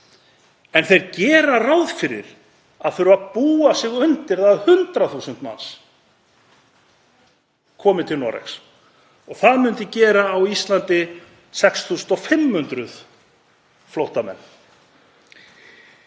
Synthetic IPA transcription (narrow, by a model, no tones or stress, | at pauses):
ɛnθejɾcɛːɾarawðfɪɾɪ̰ɾ̥ | aðθʏɾʏvapuːasɪːɣʏnt̪ɪɾðaðhʏnt̪ɾaθusʏnt̪ma̰ns | kʰɔːmɪt̪ʰɪlnɔ̰ɾɛ̰ks | ɔɣθaðmʏnt̪ɪcɛːɾaːwist̪lant̪ɪ | sɛksθuːsʏnt̪ɔfɪmːhʏnt̪ɾʏð | flowht̪amɛ̰nː